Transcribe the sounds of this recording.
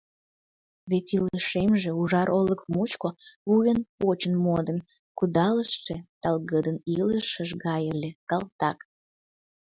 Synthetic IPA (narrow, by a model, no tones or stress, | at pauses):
βetʲiləʃemʒeuʒɑɾʔoləkmut͡ɕkoβujənpot͡ɕənmod̪ən | kud̪ɑləʃʃet̪ɑlɣəd̪əniləʃəʒɣɑjəlʲekɑlˠt̪ɑk